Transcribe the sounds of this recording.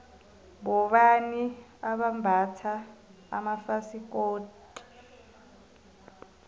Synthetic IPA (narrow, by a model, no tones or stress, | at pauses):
ɓɔɓaniaɓambʱatʰa̰ː | mafasik̬ʼoːt | i̥